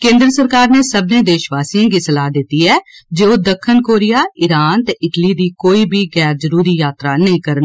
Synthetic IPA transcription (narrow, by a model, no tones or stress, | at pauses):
kẽːnd̪ɾəsəɾkaːɾneːsəbnẽːd̪eːʃʋaːsiːãːɡiːsəlaːd̪ɪt̪iːɛːd͡ʒeoːd̪əkʰːənkoːɾɪjaːɪɾaːnt̪eːʔɪʈliːd̪iːkoːiːbʱiːɣɛːɾzəɾuːɾiːjaːt̪ɾaːnəĩːkəɾən